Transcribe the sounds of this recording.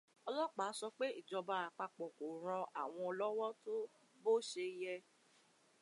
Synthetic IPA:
ɔ˧lɔ˦k͡pa˨˦sɔ˧k͡pe˦i˦˨d͡ʒɔ˧ba˧a˨k͡pa˧k͡pɔ˨ko˨ɾ̃ɔ̃˧ʔa˨w̃ɔ̃˧ɔ˧lɔ˦wɔ˦to˦ | bo˦ʃe˧jɛ˧

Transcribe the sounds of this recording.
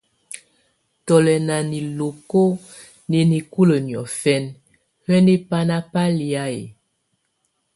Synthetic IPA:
tɔ˨lɛ˨na˨ni˨lo˨ko˦ | ne˨ni˨ku˦lə˨njɔ˨fɛ˦n | hɛ˦ne˦pa˦na˦pa˦li˨a˦ḛ˨

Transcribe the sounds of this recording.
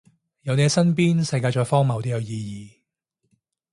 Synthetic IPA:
jɐ˨˧wne˨˧sɐ˥npiː˥nsɐ˧jkaː˧jt͡ʃɔː˧jfɔː˥ŋmɐ˨wt̪i˥jɐ˨˧wjiː˧jiː˧

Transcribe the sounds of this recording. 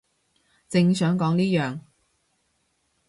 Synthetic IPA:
t͡sɪ˧ŋsœː˨˥ŋkɔː˨˥ŋniː˥jœː˨˩ŋ

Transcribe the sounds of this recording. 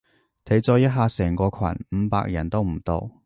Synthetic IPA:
t̪ʰe˨˥jt͡sɔː˧jɐ˥t̚ɦaː˧sɛː˨˩ŋkɔː˧kʰwɐ̰˨˩nm̩˨˧pa̰ː˧k̚jɐ˨˩nt̪o˥wm̩˨˩t̪o̰˧w

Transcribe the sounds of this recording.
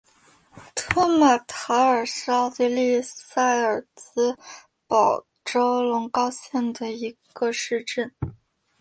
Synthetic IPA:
t̪ʰɔ˥ma˨˩t̪ʰɑ˧˥ʊə˞˨˩s̩˥ɑ˥˧ʊt̪i˥˧li˥˧sa˥˩ɪə˞˨˩t͡sɹ̩˥ | pɑ˨˩ʊ | ʈ͡ʂo˥ʊlʊ˧˥ŋkɑ˥˧ʊɕjɛ˥˩nd̪ə˩i˧˥ɡ̥ə˧ʂɻ̩˥˧ʈ͡ʂə˥˩n

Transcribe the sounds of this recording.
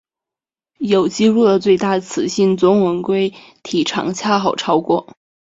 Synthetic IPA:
jo˨˩ʊt͡ɕi˥ɻu˥˩lə˩t͡swe˥˧ɪt̪a˥˩t͡sʰɹ̩˨˩ɕi˥˩nt͡sʊ˧˥ŋwə˧˥nkwe˥ɪ | t̪ʰi˨˩ʈ͡ʂʰɑ̰˨˩ŋt͡ɕʰja˥˩xɑ˨˩ʊʈ͡ʂʰɑ˥ʊkwɔ˥˩

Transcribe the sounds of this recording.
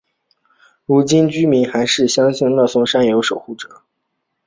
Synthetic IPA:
ɻu˧˥t͡ɕi˥nt͡ɕy˥mi˧˥nxa˧˥ɪʂɻ̩˥˩ɕjɑ˥ŋɕi˥˧ŋlɑ˥˩sʊ˥ŋʂa˥njɛ˨˩jo˧˥ʊʂo˨˩ʊxu˥˩ʈ͡ʂɤ̥˨˩˦

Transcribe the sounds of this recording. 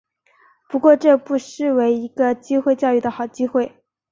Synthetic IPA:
pu˧˥kwɔ˥˧ʈ͡ʂɤ˥˧pu˥˧ʂɻ̩˥˩we˧˥ɪi˧˥ɡ̥ə˧t͡ɕi˥xwe˥˧ɪt͡ɕjɑ˥˧ʊy˥˩d̪ə˩xɑ˨˩ʊt͡ɕi˥xwe˥˩ɪ

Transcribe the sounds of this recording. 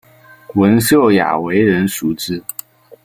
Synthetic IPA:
wə˧˥nɕjo˥˩ʊja̰˨˩we˧˥ɪɻə˧˥nʂu˧˥ʈ͡ʂɻ̩˥

